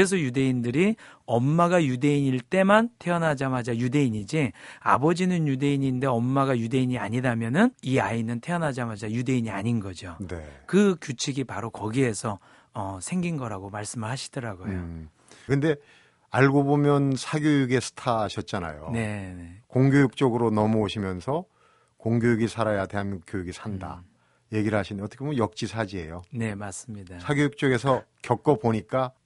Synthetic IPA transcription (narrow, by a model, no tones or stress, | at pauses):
es̬ʰʌjude̞indɯɾiʌmːaɡajude̞iɲiɭt͈e̞mantʰe̞ʌnɦad͡ʑamad͡ʑajude̞iɲid͡ʑia̰bʌd͡ʑinɯnjude̞iɲinde̞ʌmːaɡajude̞iɲiaɲidamjʌnɯniainɯntʰe̞ʌnɦad͡ʑamad͡ʑajude̞iɲia̰ɲinɡʌd͡ʑonḛkɯkjut͡ɕʰiɡipaɾokʌɡiɦe̞sʰʌ | ʌsʰe̞ŋɡinɡʌɾaɡomaɭs͈ɯmɯɭhaɕʰi̥d̥ʌɾaɡojo | kɯnde̞ | aɭɡobomjʌnsʰaɡjojuɡe̞sʰɯ̥tʰaɕʰʌt̚t͡ɕ͈ana̰jo̰ne̞nekoŋɡjojuk̚t͡ɕ͈oɡɯɾonʌmʌoɕʰimjʌnsʰʌ | koŋɡjojuɡisʰaɾajateɦamk͈jojuɡisʰanda̰ | je̞ɡiɾɯɭhaɕʰindʌt͈ʌkemnjʌk̚t͡ɕ͈isʰad͡ʑie̞̰jone̞mas͈ɯmɲidasʰaɡjojuk̚t͡ɕ͈oɡe̞sʰʌkjʌk̚k͈ʌpoɲik͈a